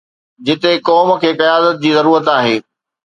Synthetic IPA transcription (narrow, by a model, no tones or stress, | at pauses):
d͡ʑɪt̪ekɔːm̆kʰeːkɐjaːd̪ət̪̚d͡ʑiːzɐɾuːɾət̪aːɦeː